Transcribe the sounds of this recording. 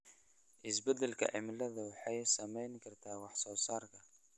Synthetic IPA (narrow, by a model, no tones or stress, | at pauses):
ʔɪsbɐd̪ɐlkʰɐ̰ʕɪ̰mɪlɐðɐwɑħɑjsɐmɛjnkʰɐrt̪ʰaːwɑħsɔːsaːrkʰɐ